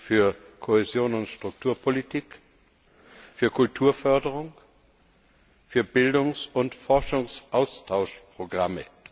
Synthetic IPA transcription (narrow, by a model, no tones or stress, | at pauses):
fyːɐkʰohezjoːnʊntʃtʁ̥ʊk̚tʰuːɐpʰolitʰiːk | fyːɐkʰʊltʰuːɐfœɐdəʁʊŋ | fyːɐbɪldʊŋsʊntfɔɐʃʊŋsʔaʊstʰaʊʃpʁ̥oɡʁamə̰